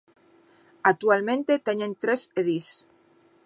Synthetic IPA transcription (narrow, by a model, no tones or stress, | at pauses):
ak̚t̪ualmẽnt̪et̪eɲent̪ɾeseðis